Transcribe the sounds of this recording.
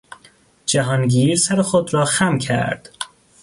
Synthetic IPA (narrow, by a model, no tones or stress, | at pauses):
d͡ʒæɦɒːnɟiːɾsæɾexod̪ɾɒːxæmcʰæ̰ɾd̪̥